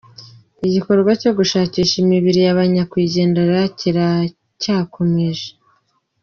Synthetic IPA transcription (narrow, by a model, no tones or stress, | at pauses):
iɟiko̞ɾɡwaco̞ɡuʃaːciːʃimiβiɾijaβaɲakwiːɟe̞ːndeɾaciɾa | caːkʰo̞me̞ʒe